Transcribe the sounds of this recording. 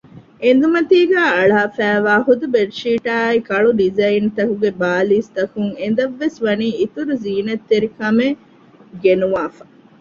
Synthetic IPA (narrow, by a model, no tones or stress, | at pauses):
end̪umɐt̪iːɡæːɐɭaaːfæːʋaːɦud̪ubeɖʃiːʈaːikɐɭuɖizɐint̪ɐkuɡebaːliːst̪ɐkuŋend̪ɐʋːesʋɐniːit̪uɾuziːnɐt̪ːeɾikɐme | ɡenuʋaːfɐ̥